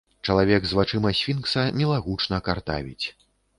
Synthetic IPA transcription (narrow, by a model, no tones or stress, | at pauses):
t͡ʂɐlˠavʲɛɡzvat͡ʂɨmɐsʲfʲinksɐmʲɛlˠaɣut͡ʂnɐkart̪a̰vʲḭt͡sʲ